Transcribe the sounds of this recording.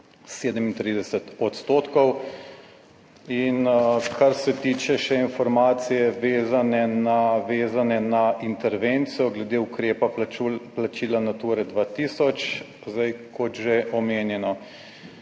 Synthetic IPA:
seːd̪əmint̪ɾid̪ɛsɛt̪ɔt̪st̪oːt̪kɔw | inkʰaɾsɛt̪iːt͡ʃɛʃɛinfɔɾmaːt̪sijɛʋeːzanɛnaʋeːzanɛnaint̪ɛɾʋeːnt̪sijɔɡlɛd̪eukɾeːpauplat͡ʃiːlanat̪uɾɛd̪ʋat̪isɔt͡ʃ | zd̪ajkʰɔt̪ʒeʔɔmeːnjɛnɔ

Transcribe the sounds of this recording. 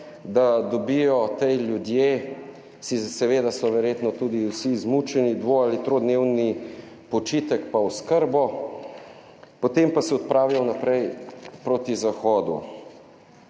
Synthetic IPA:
d̪ad̪ɔbijɔt̪ɛjljud̪je | sisɛʋeːd̪asɔʋɛɾjeːt̪nɔt̪uːd̪iwsizmut͡ʃɛnid̪ʋoalit̪ɾod̪newni | pɔt͡ʃit̪ɛkpaɔskəɾbɔ | pɔt̪empasɛɔt̪̚pɾaːwjawnapɾɛjpɾot̪izaxɔːd̪ṵ

